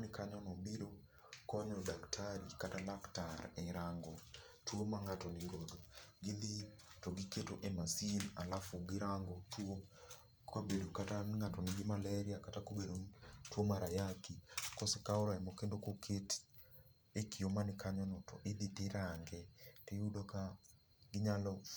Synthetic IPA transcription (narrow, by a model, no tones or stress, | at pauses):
anikaɲanobiɾo | kɔɲɔodaktʰaɾikatalaktaɾeɾaŋɡo | twomaŋatɔniɾodoɡiðitoɡiketoʔemasinalafuɡiɾaŋɡotʰwo | kʰabedokataŋatɔnɪɡɪmalaɾiakatakoɡeɾotwomaɾajakikɔsekaoɾaɛmokendokokʰet | ekʰiomanɪkaɲɔnɔtʰɔ̰ʔediteɾaŋɡɛteudoka | ɡɪɲalɔ